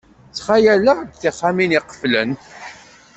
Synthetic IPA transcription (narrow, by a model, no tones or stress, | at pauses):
t͡sːχajælad̪θiχːaminiqə̥flə̰n